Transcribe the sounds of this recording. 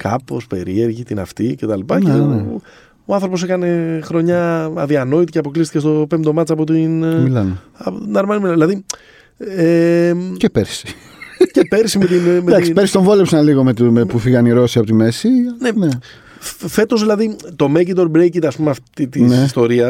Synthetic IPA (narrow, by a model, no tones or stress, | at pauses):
kɐ̰po̞spe̞ɾie̞ɾʝit̪inɐ̰ft̪ice̞t̪ɐlipɐcen | oɐnθɾopo̞se̞kɐne̞xɾo̞ɲɐɐðiɐno̞it̪iceɐpo̞klist̪ice̞st̪o̞pemd̪o̞mɐt̪t͡sɐpot̪inmilɐn | ɐpot̪nɐɾmɐnimilɐnðilɐði | ecepeɾsi̥ | cepe̞ɾsimet̪imed̪ɐksiɾsi̥t̪oɱvo̞lepsɐnliɣo̞met̪umepufiɣɐniɾo̞siɐpo̞t̪ime̞sinene | fe̞t̪o̞zðilɐðit̪o̞mecid̪o̞ɾbɾejcit̪ɐspumeɐft̪it̪inesst̪o̞ɾiɐ